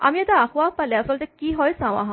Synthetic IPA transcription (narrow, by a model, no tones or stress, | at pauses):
a̰miɛt̪aːxʋapaleasɔlt̪ekiɦɔjsaʋa̰ɦã